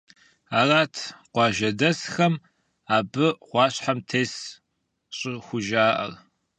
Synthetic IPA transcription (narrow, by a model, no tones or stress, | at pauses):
aːraːtʰqʷɑːʒɐdɐsxɐm | aːbɨʁʷɑːɕħamtʰeːs | ɕʼɪxʷʊʒaːʔɐ̰r